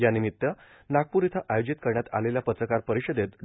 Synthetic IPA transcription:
janimit̪ːjə | naɡ̚puɾit̪ʰəʔajod͡ʑit̪kəɾɳjat̪a̰leljapət̪ɾəkaɾpəɾiɕəd̪et̪

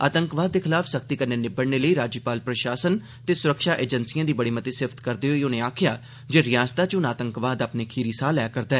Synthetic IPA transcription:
aːt̪əŋkʋaːd̪̚ːeːkʰɪlaːfʰsəkt̪iːkəneːnɪbəɽneːləiːɾaːd͡ʒpaːlpɾəʃaːsən | t̪eːsʊɾəkʃaːʔeːd͡ʒənsijãːd̪iːbəɽiːmət̪iːsɪft̪kəɾd̪eːɦoːiːʊneːaːkʰɪjaː | d͡ʒeːɾɪjãːst̪aːt͡ʃʊnaːt̪əŋkʋaːd̪əpneːkʰiːɾiːsaːlɛːkəɾd̪aːɛː

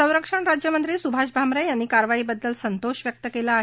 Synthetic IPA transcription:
ə̃w̃ɾəkʂəɳɾad͡ʑjəmənt̪ɾiːsubʱaɕbʱamɾəjanːiːkaɾʋaiːbəd̪ːəlsənt̪oɕʋjək̚t̪əkelaːɦ

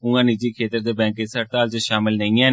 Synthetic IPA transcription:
ũːãːniːd͡ʒiːkʰeːt̪əɾd̪eːbɛ̃ːŋkɪsəʈt̪aːlt͡ʃəʃaːmɪlnəĩːãː

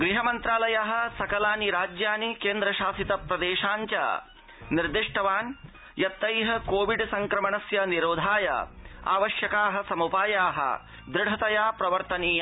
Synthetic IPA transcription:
ɡɾiɦɐmɐnt̪ɾaːlɐjɐɦɐ̆sɐkɐlaːniɾaːd͡ʒjaːnikeːnd̪ɾɐʃaːsit̪ɐpɾɐd̪eːʃaːɲt͡ʃɐ̰ | niɾd̪iʂʈʰɐʋaːn | jɐt̪ːɐjɦɐkoːʋiɖsɐŋkɾɐmɐɳɐsjɐniɾoːd̪ʱaːjɐ̰a̰ːʋɐʃjɐkaːɦɐ̆sɐmupaːjaːɦɐ̰ | d̪ɾɪɖʱɐt̪ɐjaːpɾɐʋɐɾt̪ɐniː

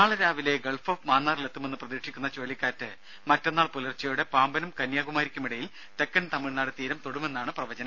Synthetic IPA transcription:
aːɭɐɾaːʋile̞ɡɐɭfoːfmaːnːaːrlet̪ːume̞nːɨprɐðiːkʂikʲːunːɐt͡ɕo̞ːlikʲːaːɾtːɨ | mɐtːonːaːɭpulɐrt͡ɕːɐjuɽe̞paːmbɐnɐmkɐnjaːɡumaːɾikʲːɐmiɽɐjil | t̪e̞kːɐnt̪ɐmiɭnaːɽɨt̪iːɾɐmt̪oɽume̞nːaːɳɨprɐʋɐt͡ɕɐnɐ

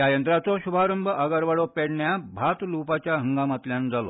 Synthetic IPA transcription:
jajənt̪ɾat͡sɔɕubʱaɾəmbʱəʔəɡəɾʋaɽopeɽɳjabʱat̪lupat͡ɕjaɦəŋɡamat̪ljand͡zalo̰

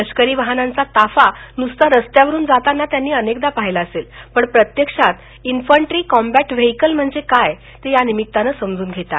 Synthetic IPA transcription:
əɕkəɾiːʋaɦnant͡sat̪afanust̪aɾəst̪jaʋəɾuːnd͡zat̪anːat̪janːiːənekd̪apaɦilaəselpəɳpɾət̪jəkʂat̪ | infəɳʈɾiːkɔmbæʈʋeɦikəlm̤əɳd͡zekaj | t̪ejanimit̪ːanəsəmd͡zuːnɡʱet̪a̰t

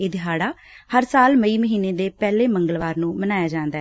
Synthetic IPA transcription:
ed̪ɪɦaːɽaːhəɾsaːlməiːməɦiːneːd̪eːpɛːleːməŋɡəlʋaːɾnũːmənaːjaːd͡ʒãːnd̪aɛ

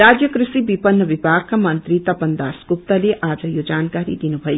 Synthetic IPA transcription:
ɾad͡ʒjəkɾɨsibipʌnːəbibʱaɡ̚kamʌnt̪ɾit̪ʌpənd̪askup̚t̪əleʔaːd͡zʌjod͡ʒankaɾḭd̪inubʱʌj

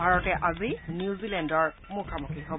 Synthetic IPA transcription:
bʱaɹɔtɛʔazinuzilɛndɔɹ | mukʰamukʰiɦob

